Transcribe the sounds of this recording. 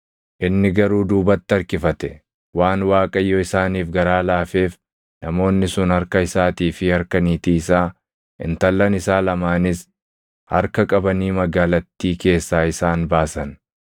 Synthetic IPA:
ʔɪnːɪɡɐɾuːd̪uːbɐt̪ːɪɐɾkɪfɐt̪ɛ | waːnwaːkʼɐjːɔɪsaːniːfɡɐɾaːlaːfe̞ːf | nɐmo̞ːnːɪsʊnhɐɾkɐɪsaːt̪iːfɪhɐɾkɐniːt̪iːsaː | ʔɪ̰nt̪ɐlːɐnɪsaːlɐmaːnɪs | hɐ̰ɾkɐkʼɐbɐniːmɐɡaːlɐt̪ːiːke̞ːsːaːɪsaːnbaːsɐn

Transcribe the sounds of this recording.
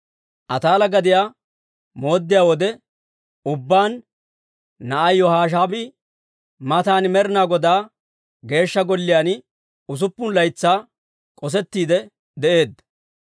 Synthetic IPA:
ʔɐt̪aːlɐɡɐd̪ɪjaː | mo̞ːd̪ːɪjaːwɔd̪ɛ | ʊbːaːnː | ɐʔɐjːɔhaːʃ̬aːbɪ | mɐt̪aːnmɛɾɪnaːɡɔd̪aː | ɡe̞ːʃːɐɡɔlːɪjaːn | ʊs̬ʊpːʊnlɐjt͡sːaː | kʼɔs̬ɛt̪ːiːd̪ɛ | d̪ɛʔe̞ːd̪ːɐ

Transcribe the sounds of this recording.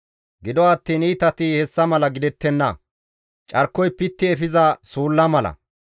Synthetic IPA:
ɡɪd̪ɔɐt̪ːiːniːt̪ɐt̪ɪhɛsːɐmɐlɐɡɪd̪ɛt̪ːɛnːɐ̰ | t͡ʃʼɐɾkːɔjpɪt̪ːɪɛfɪzɐsuːlːɐmɐlɐ̰

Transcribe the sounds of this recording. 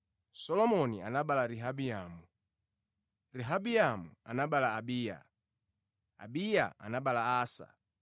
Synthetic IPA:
sɔlɔmɔnianaɓalaɾiɦabiamu | ɾiɦabiamuanaɓalaːbija̰ | a̰bija̰a̰naɓalaːsa̰

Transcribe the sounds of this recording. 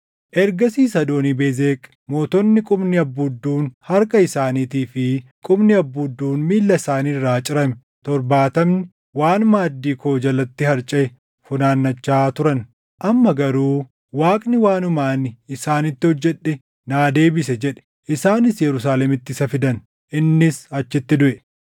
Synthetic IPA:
ʔɛɾɡɐsiːsɐd̪o̞ːniːbeːzeːkʼ | mo̞ːt̪ɔnːɪkʼʊbnɪɐbːud̪ːuːnhɐɾkʼɐɪsaːniːt̪iːfɪkʼʊbnɪɐbːud̪ːuːnmiːlːɐɪsaːniːrːaːt͡ʃʼɪɾɐmɛ | t̪ɔɾbaːt̪ɐmnɪ | waːnmaːd̪ːiːko̞ːd͡ʒɐlɐt̪ːɪhɐɾt͡ʃʼɛɛ | fʊnaːnːɐt͡ʃːaːt̪ʊɾɐn | ʔɐmːɐɡɐɾuː | waːkʼnɪwaːnʊmaːnɪɪsaːnɪt̪ːɪhɔd͡ʒːɛɗːɛ | naːd̪e̞ːbɪsɛd͡ʒɛᶑɛ̥ | ʔɪsaːnɪsjɛɾʊsaːlɛmɪt̪ːɪsɐfɪd̪ɐn | ʔɪnːɪsɐt͡ʃːɪt̪ːɪd̪ʊʔɛ

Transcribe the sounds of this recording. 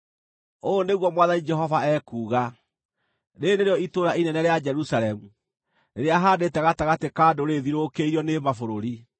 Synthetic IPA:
oneɣwɔmwaðanid͡ʒɛɦɔvaɛkuːɣa | ɾeneɾeɔitoɾainɛnɛɾead͡ʒɛɾusaɾɛmu | neɾeaɦaːdeːtɛɣataɣatekaːdoɾeðiɾokeiɾiɔnemafoɾoɾi

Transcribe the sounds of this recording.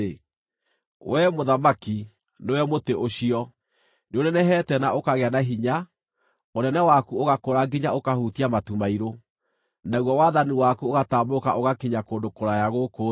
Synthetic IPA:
e | wɛmoðamaki | newɛmoteʔoɕiɔ | neonɛnɛɦɛtɛnaʔokaɣeanaɦiɲa | onɛnɛwakuoɣakoɾaɡeɲaokahutiamatumaiɾo | naɣwɔwaðaniwakuoɣataːmokaʔoɣakiɲakoːndokoɾajaɣoko

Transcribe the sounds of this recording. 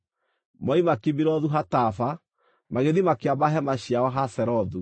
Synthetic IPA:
mɔimakibiɾɔðuɦatafa | maɣeðimakeabaɦɛmaɕiawaɦasɛɾɔðu

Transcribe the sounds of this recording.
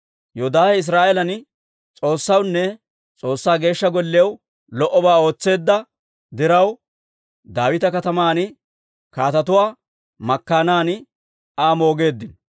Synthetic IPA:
joːd̪aːhɛɪs̬ɾaːʔɛlɐn | t͡sʼo̞ːsːɐwnːɛ | t͡sʼo̞ːsːaːɡe̞ːʃːɐɡɔlːɪɐw | lɔʔɔbaːo̞ːt͡sːe̞ːd̪ːɐ | d̪ɪɾɐw | d̪aːwɪt̪ɐkɐt̪ɐmaːn | kaːt̪ɐt̪ʊwaː | mɐkːaːnaːn | aːmo̞ːɡe̞ːd̪ːɪn

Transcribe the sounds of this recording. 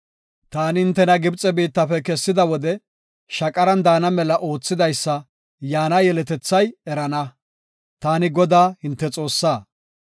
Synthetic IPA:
t̪aːnɪhɪnt̪ːɛnɐɡɪbt͡sʼɛbiːt̪ːɐpɛkɛsːɪd̪ɐwɔd̪ɛ | ʃɐkʼɐɾɐnd̪aːnɐmɛlɐʔo̞ːt͡sːɪd̪ɐjsːɐ | jaːnɐjɛlɛt̪ɛt͡sːɐjɛɾɐnɐ | t̪aːnɪɡɔd̪aːhɪnt̪ːɛt͡sʼo̞ːsːaː

